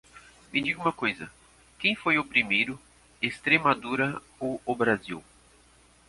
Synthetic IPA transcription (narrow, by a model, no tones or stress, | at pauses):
mid͡ʒiɡʊũmɐkojzɐ | kẽj̃fojʊpɾimejɾʊ | est̪ɾemad̪uɾɐ | oʊbɾaziw